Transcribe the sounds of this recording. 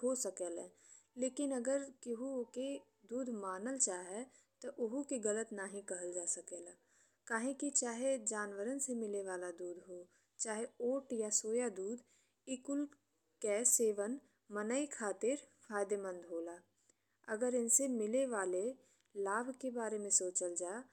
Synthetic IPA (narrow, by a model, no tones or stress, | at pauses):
ɦoːsɐkeːlɛː | leːkɪnɐɡəɾkɪɦuke | d̪uːd̪maːnəlt͡ʃaːɦɛ | t̪oʔʊɦukiɡɐlət̪naɦĩkɐɦəld͡ʒaːsɐkeːlaː | kaːɦĩkit͡ʃaːɦed͡ʒaːnʋəɾənsemɪleʋaːlad̪uːd̪ɦoː | t͡ʃaːɦeoːʈjasoːjad̪uːd̪ | ɪkʊl | kɛseːʋən | mɐnəikʰaːt̪ɪɾfʰaːjd̪emə̃nd̪ɦoːlaː | ɐɡəɾɪnsemɪleʋaːle | laːbʱkebaːɾemẽsoːt͡ʃəld͡ʒaː